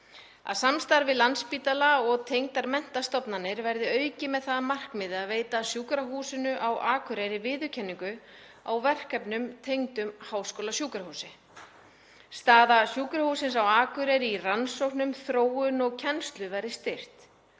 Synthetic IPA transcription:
a̰ðsamst̪aɾvɪðlanspiːt̪alaɔɣt̪ʰejŋt̪aɾmɛn̥t̪ast̪ɔpnanːɪɾvɛɾðɪœɥcɪmɛðθaðmar̥kmɪðɪaðveːjt̪asjuːkɾaɦuːsɪnʏʔawʔaːkʰʏɾejɾɪvɪːðʏcʰɛnːiŋkʏ | a̰wvɛr̥kɛpnʏmt̪ʰejŋt̪ʏmhawskoːlasjuːkɾahuːsɪ | st̪aːðasjuːkɾahuːsɪnsawaːkʏɾɛjɾɪiransowhknʏmθɾoːwʏnɔɣcʰɛnst̪lʏvaɾɪst̪ɪr̥t̪

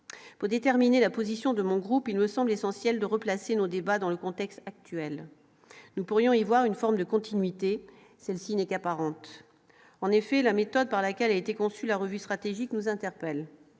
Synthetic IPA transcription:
puʁd̪et̪ɛʁminelapozisjɔ̃d̪əmɔ̃ɡʁupilməsɑ̃blesɑ̃sjɛld̪əʁəplasenod̪ebad̪ɑ̃ləkɔ̃t̪ɛkst̪ak̚t̪ɥɛl | nupuʁjɔ̃ivwaʁynfɔʁmd̪əkɔ̃t̪inɥit̪e | sɛlsinɛkapaʁɑ̃t̪ | ɑ̃nefɛlamet̪ɔd̪̚paʁlakʲɛlaet̪ekɔ̃sylaʁəvyst̪χat̪eʒiknuzɛ̃t̪ɛʁpɛl

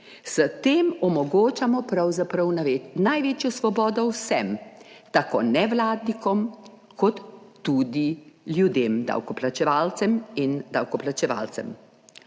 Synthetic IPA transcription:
sət̪eːmɔmɔɡoːt͡ʃamɔpɾawzapɾɐwnnajʋeːt͡ʃjɔsʋɔbɔːd̪ɔwsɛmt̪akonɛʋlaːd̪nikɔm | kʰɔt̪ːuːd̪iljud̪eːmd̪a̰wkɔplat͡ʃɛʋaːlt̪sɛmind̪awkɔplat͡ʃɛʋa̰ːlt̪sɛ̰m

